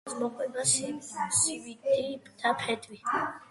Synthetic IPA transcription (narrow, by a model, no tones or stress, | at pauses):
smɔqʼwɛbaʃiʃvd̪ipd̪̥apʰɛd̪wi